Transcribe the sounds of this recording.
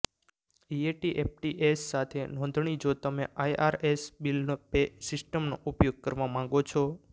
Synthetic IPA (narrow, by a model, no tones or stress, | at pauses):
ieʈiʔep̚ʰʈiʔesːat̪ʰenɔ̃nd̪ʱɳid͡ʒot̪əmeʔajʔaɾesbilnopesɪsʈəmno̰ʔupjoɡ̚kəɾʋamãŋɡot͡ʃʰɔ